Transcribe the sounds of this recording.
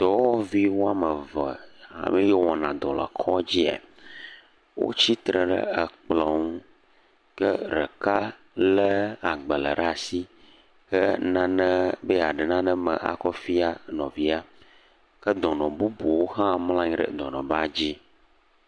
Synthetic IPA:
t̪ɔ˨wɔ˦vi˦wo˦a˦mə˨və˨a̰˨mẽ˦jɛ˦wɔ˨nã̰˨d̪ɔ˨lə̰˨kʰɔ˦d͡ʑi˦a̰˨ | wo̰˦t͡ɕi˦t̪ɾə˨ɖə̰˦ə˨k͡plɔ˨ŋũ˦ | kə˦ɾə˨ka˦ | lə˦a˨ɡ͡bə˨lə̰˨ɖa˨si˦ | kə˦nã˨nə̃˦bə˦a˨ɖə˨nã˦nə̃˦mə̰̃˨ʔa̰˨kɔ˦fi˦a˦nɔ̃˨vi˦a˦ | kə˦d̪ɔ˨nɔ̃˨bu˦bu˨wo˦ɦã˦mlã˦ɲĩ˦ɖə̰˨d̪ɔ˨nɔ̰̃˨ba˦˨d͡ʑi˦

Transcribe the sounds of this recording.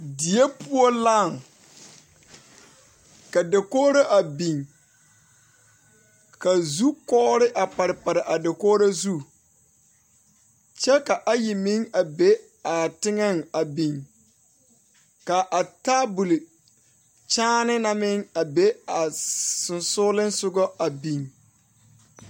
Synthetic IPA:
dɪ˨e˦pu˦o˦la˦˨ŋ | ka˨de˨koː˦ɾa˦ʔa˨bi˨ŋ | ka˨zu˦kɔ˦ɾɪ˦ʔa˨pa˨ɾɪ˨pa˨ɾɪ˨ʔa˨dɪ˨koː˦ɾa˦zu˦ | t͡ʃɛ˦ka˨ʔa˦ji˨mi˦ŋa˨be˦ | a˨tɪ˦ŋɛ˦ŋa˨bi˨ŋ | ka˨ʔa˨taː˦bu˨li˨ | t͡ʃaː˦nɪ˦na˦mɪ˦ŋa˨be˦a˨sʊ˨nsʊː˦lɪ˦nsʊ˦ɡɔ˦a˨bi˨ŋ

